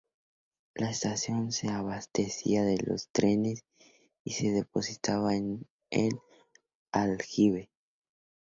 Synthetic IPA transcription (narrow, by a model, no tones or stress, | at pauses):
laest̪asjo̞nse̞aβast̪esḭaðelo̞̰st̪ɾe̞nes | ise̞ðepo̞sit̪aβaen | ḛl | alxiβe